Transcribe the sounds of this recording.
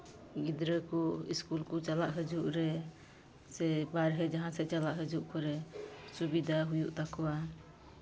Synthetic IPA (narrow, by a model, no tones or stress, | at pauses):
ɡid̪ɾəkɔiskulkɔt͡ʃalaʔɦəd͡ʒuʔɾɛ | sɛbaɾɦɛd͡ʒaɦãsɛt͡ʃalaʔɦəd͡ʒuʔkɔɾɛsubid̪aɦujuʔt̪akɔwa